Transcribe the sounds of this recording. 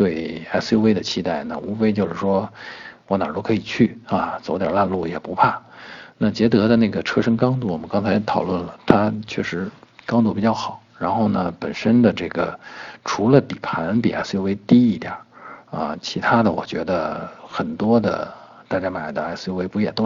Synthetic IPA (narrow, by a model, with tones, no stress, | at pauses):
t̪we˥˩ɪa˧˩ɪsjo˥we˥ɪd̪ə˨t͡ɕʰi˥t̪a˥˩ɪnə̰˩ʔu˥fe˥ɪt͡ɕjo˥˧ʊʂɻ̩˥˩ʂwɔ˥wɔ˧˥na˨˩t̪o˥kʰɤ˧˥i˨˩t͡ɕʰy˥˩ɐ˧˩t͡so˨˧˥ʊt̪jɑ˨˩la˥˧nlu˥˩jɛ̰˨˩pu˧˥pʰa˥˩na˥˩t͡ɕjɛ˧˥t̪ɤ˧˥d̪ə˧ne˥˩ɡə˩ʈ͡ʂʰɤ˥ʂɤ˥ŋkɑ˥ŋt̪u˥˩wɔ˨˩mə˦nkɑ˥ŋt͡sʰa˧˥ɪt̪ʰɑ˨˩ʊlwə˥˩nlə˩t̪ʰa˥t͡ɕʰɥɛ̰˥˩ʂɻ̩˧˥kɑ˥ŋt̪u˥˩pi˨˩t͡ɕjɑ˥˩ʊxɑ˨˩˦ʊɻa˧˥nxo˥˩ʊnə˩pə˨˩nʂə˥nd̪ə˨ʈ͡ʂɤ˥˩ɡə˩ʈ͡ʂʰu˧˥lə˧pi˨˩pʰa˧˥npḭ˨˩ʔa̰˧˥sjo˥we˥ɪt̪i˥i˥˧˩t̪jɐ̰˨˩˦ə̰˧˩t͡ɕʰi˧˥t̪ʰa˥d̪ə̰˨wɔ̰˨˩t͡ɕɥɛ˧˥d̪ə̰˧xə˨˩nt̪wɔ˥d̪ə̰˨ | t̪a˥˧t͡ɕja˥ɪma˨˩ɪd̪ə˦a˧˥ɪsjo˥we˥ɪpu˧˥jɛ˨˩t̪o˥